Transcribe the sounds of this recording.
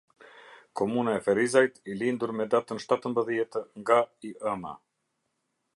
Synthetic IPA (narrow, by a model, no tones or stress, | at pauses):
kɔmunaɛfɛɾizajt̪ilind̪uɾmɛd̪at̪ənʃt̪at̪əmbəðjɛt̪ŋɡaiʔəma̰